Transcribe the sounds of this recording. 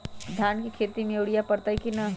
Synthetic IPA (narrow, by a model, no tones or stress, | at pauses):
d̪ʱjankikʰet̪imewɽijapəɾt̪ajkinə